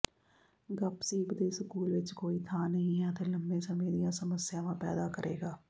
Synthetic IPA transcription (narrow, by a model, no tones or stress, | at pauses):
ɡəpsiːpd̪eːsəkuːlʋɪt͡ʃkoːiːt̪ʰaːnəĩːɦãːt̪eːləmbẽːsəmẽːd̪ɪjãːsəməsːɪjãːʋãːpɛ̰ːd̪aːkəɾʔḛːɡaː